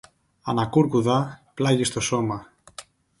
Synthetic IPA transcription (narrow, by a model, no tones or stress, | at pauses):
ɐ̰nɐkuɾkuðɐplɐʝist̪o̞so̞mɐ